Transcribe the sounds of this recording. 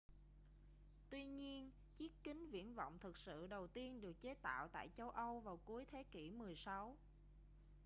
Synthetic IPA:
t̪wi˧ɲi˧ən | t͡ɕi˦˥t̚kï˨˦ŋ̟vḭ˧˥ənvɔ̰˧˨wŋ͡mt̪ʰɨ˨˩k̚sɨ̰˧˨ɗə˨˩wt̪i˧ənɗɨ˨˩ək̚t͡ɕe˨˦˥t̪a̰ː˧˨wt̪a̰ː˧˨jt͡ɕə˧wʔə˧wvaː˨˩wku˨˦əjt̪ʰe˨˦kḭ˧˩mɨ˨˩əjsa˨˦w

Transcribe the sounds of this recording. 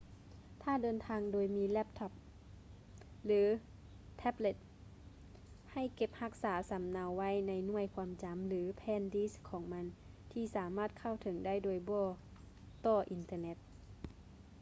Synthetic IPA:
t̪ʰaː˧˩˨dɤː˧nt̪ʰaː˧ŋdoː˧jmiː˧˥lɛ˦˥p̚t̪ʰɔ˧˩p̚ | lɯː˨˦ | t̪ʰɛ˦˥ble˧˩t̪̚ | ha˧˩jke˧p̚ha˧˥k̚saː˩˦sa˨˦mnaː˧wːa˧˥˨jna˧jnu˥˩əjkʰwaː˧˥mt͡ɕa˨˦mlɯː˩˦pʰɛː˧˥˨ndiː˧˥skʰɔː˩˦ŋma˧˥n | t̪ʰiː˧saː˩˦maː˧˥˩t̪̚kʰa˧˩˨wt̪ʰɤ˨˩˦ŋda˥˩˨jdoː˧jbɔː˧˩ | t̪ɔː˧˩ʔi˨˧˦nt̪ɤː˧ne˧˥t̪̚

